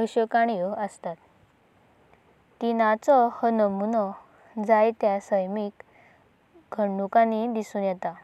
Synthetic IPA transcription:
bəɕəkaɽ̃ijəəst̪at̪̚ | inat͡sɔhənəmunɔ | d͡zajt̪jasəjmik | ɡʱəɳɖukãnid̪isuːnjɛt̪a

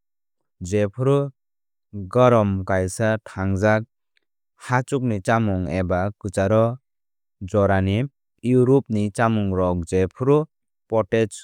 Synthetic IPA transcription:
d͡ʒepʰɾu | ɡɔɾɔmkajsatʰaŋzak̚ | hat͡ʃuk̚nit͡ʃamɔŋebakɯt͡ʃaɾɔ | d͡ʒɔɾani | juɾup̚nit͡ʃamuŋɾɔk̚d͡ʒepʰɾu | pɔtet͡ʃ

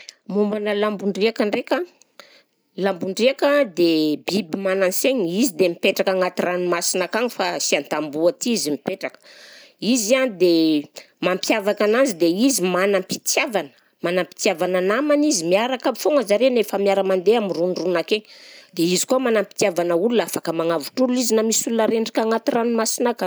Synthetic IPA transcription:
mumbanəlambuɳɖ͡ʐiakaɳɖ͡ʐeka | lambuɳɖ͡ʐiakad̪ebibimananseɲizid̪emipeʈ͡ʂakaŋat̪irʔanumasinakaŋifasiant̪ambuat̪iizimipeʈ͡ʂakə̥ | izianid̪e | mampjavakananzid̪eizimanampit̪javanə̥ | manampi̥t̪iavananamanizimiaɾakafoŋəzaɾenefamiaɾəmand̪eamirunrunakeɲd̪̥eizi̥komanampi̥t̪iavanəulunafakəmaŋavuʈ͡ʂuluizinamisulunaɾeɳɖ͡ʐikʲaŋat̪iranumasinaka

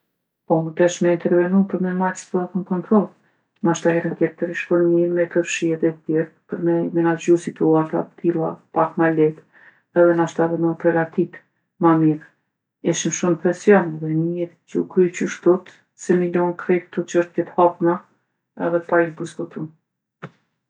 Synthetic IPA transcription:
pɔd̪ɛʃmɛint̪ɛɾvɛnumpəɾmɛmasp̪əat̪ənkɔnt̪ɾɔlˠ | naʃt̪ahɛɾənkɛtt̪əɾiʃpəɾmiɾmɛkəfʃiɛðɛt̪ət̪ɛɾpəɾmɛmɛnad͡ʒusit̪uaɾt̪a̰pə̥t̪ʰilˠa̰pakmalɛt̪ | ɛðɛnaʃt̪avɛməpɾɛɡat̪it̪ | mamiɾ | ɛʃimʃumpɛsjɔnɛðɛnɛɾ | cəukɾycuʃt̪ɔt̪ | sɛmilɔnkɾɛkt̪ɔt͡ʃəʃt̪jɛt̪hapna | ɛðɛpajibuskɔt̪un

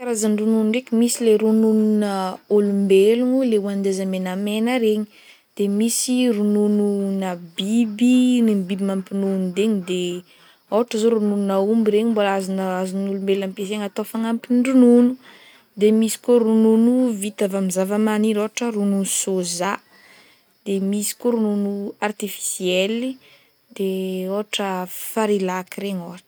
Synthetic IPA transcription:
kaɾazaɳɖ͡ʐununɖ͡ʐekʲimisileɾunununəolumbeluŋuleuand̪ezamenamenəɾeɲi̥ | d̪̥emisirunununabibinimbibimampinunud̪eɲid̪e | owaʈ͡ʂəzoɾunununaumbiɾeɲimbolazanazunulumbelampezeŋat̪ofaŋampinɳɖ͡ʐununu | d̪emisi̥koɾununuvit̪avamizavamaniɾoaʈ͡ʂəɾununsoza | d̪̥emisi̥koɾununuart̪ifi̥sieli | d̪eoɦaʈ͡ʂəfaɾilakiɾeɲoɦaʈ͡ʂ

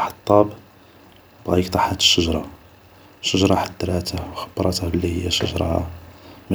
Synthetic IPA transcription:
ħɑ̥t̪ˤːɑb | bɣæjəkt̪ˤɑħæt̪ə̥ʃːəʒɾˤɑ | ʃəʒɾˤɑħəd̪ːɾˤæt̪əhwxə̥bːɾˤɑt̪əhbəlːihəjːæʃə̰ʒɾˤɑ̰ | mæ

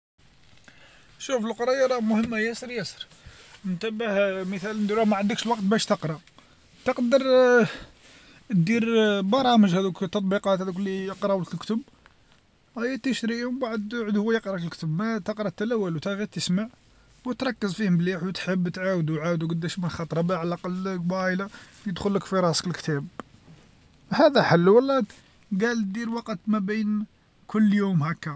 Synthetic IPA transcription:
ʃufəlqɾˤɑjɑɾˤɑmʊhəmːajæsəɾjæsəɾ | nt̪æbəhmət̪ælənd̪uɾæmaʕənd̪əkʃəlwɑqt̪̚bæʃt̪əqɾˤɑ | t̪əqd̪əɾˤ | d̪iɾbɑɾˤɑməʒhæd̪ukt̪ːɑt̪ˤbiqɑt̪hæd̪uklijəqɾˤɑwləkəlkt̪əb | æjːæt̪əʃɾiwbaʕəd̪ʕəd̪hʊwæjəqɾˤɑkəlkt̪əbmæt̪əqɾˤɑt̪ːælæwːælut̪æɣit̪ːəsmaʕ | wət̪ɾˤɑkːəzfihəmbliħwt̪ħəbːt̪ʕawəd̪wʕawəd̪wɡəd̪ːæʃmənxɑt̪ˤɾˤɑbæʕalʔɑqɑlːbælajəd̪xʊlːəkfiɾˤɑsə̥kəlkt̪æb | hæd̪æħəlːwəlːæ | ɡæl̚d̪iɾwɑqət̪mæbin | kʰʊlːjumhækːæ

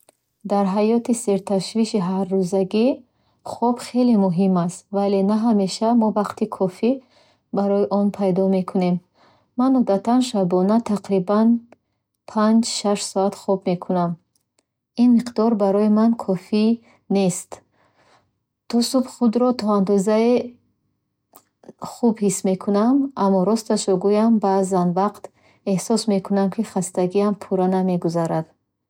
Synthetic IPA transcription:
d̪aɾɦajɔt̪ise̞ɾt̪ʰaʃviʃiɦarːuzaɡi | χɔbχe̞limuɦimast̪vale̞naɦame̞ʃamɔvaqt̪ʰikʰɔfi | baɾɔjiʔɔnpʰajd̪ɔme̞kʰune̞mː | anud̪at̪ʰanʃabɔnat̪ʰaqɾiban | pʰand͡ʒʃaʃsɔat̪χɔbme̞kʰunam | inmiqd̪ɔɾbaɾɔimankʰɔfi | ne̞st̪ | t̪ʰɔsubχud̪ɾɔt̪ʰɔand̪ɔzae | χubhisme̞kʰunamamːɔɾɔst̪aʃɔɡujambazanvaqt̪ | ehsɔsme̞kʰunamkʰiχast̪aɡiampʰuɾaname̞ɡuzaɾad̪̥

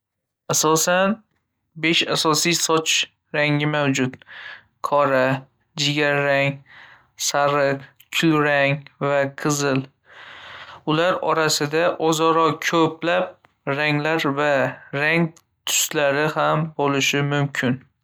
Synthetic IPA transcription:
asɒsan | be̞ʃasɒsijsɒt͡ʃ | ɾaŋɪmawd͡ʒʊt̪ | kʰɒɾa | d͡ʒɪɡʲaɾaŋ | saɾɨq | kʰʊlɾaŋvaqʰɨzɪl | ʊlaɾɒɾasɪd̪aʔɒzɒɾɒkʲʰɵpʰlap̚ | ɾaŋlaɾvaɾaŋ | t̪ʰʊ̥slaɾɪhambolɪʃɪmʊmkʲʰɪn

